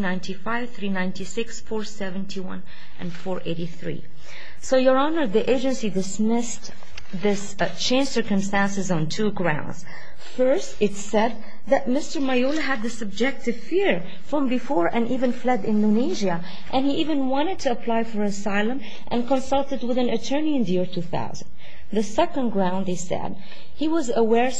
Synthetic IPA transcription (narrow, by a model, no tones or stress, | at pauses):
nãɪ̃ntʰifaɪv̥θɹinãɪ̃ntisɪksfɔɹsɛvɨ̃ntʰiwʌ̰̃n | ʔɨ̰̃nfɔɹʔeɪɾiθɹḭ | soʊjə˞ɑnə˞ðiʔeɪd͡ʒɨ̃nsidɨsmɪst | ðɪs | t͡ʃʰẽɪ̃nd͡ʒ̥sɜ˞kɨ̃mstæ̃nsɨzn̩tʰuɡɹã̰ʊ̃ndz̥ | fɜ˞stɨtsɛd̪̚ | ðɨt̚mɪstə˞maɪolˠɨɨd̪̚ðɨsɨb̚d͡ʒɛk̚tɨv̥fɪɹ | fɹʌ̃mbɨfɔɹʔɨ̃nʔivɨ̃nflɛdɪ̃ndoniʒiɨ | ʔɨ̃niʔivɨ̃nwɑ̃ɾ̃ɨd̚tʰɨːpʰl̥aɪfə˞ɨsaɪlˠə̃m | ʔɨ̰̃nkə̃nsʌlˠtɨd̚wɨðɨ̃nɨtʰɜ˞niɨ̃nðɨjɪɹtʰuθa̰ʊzə̃nd | ðɨsɛkə̃nɡɹãʊ̃nðeɪsɛ̰d̚ | hiwʌzəwɛɹ